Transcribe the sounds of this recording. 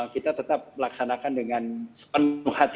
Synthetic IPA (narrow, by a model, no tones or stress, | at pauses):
kit̪at̪ət̪ap̚mlaksanakandəŋansə̥pənʊhat̪